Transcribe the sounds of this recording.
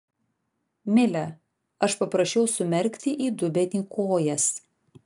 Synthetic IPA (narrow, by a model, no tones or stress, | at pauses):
mʲɪlʲɛ | ɐʃpɐpɾɐʃʲɛʊsʊmʲɛɾʲˑkʲt̪ʲɪʔiːd̪ʊbʲɛnʲiːkʰoːjɛs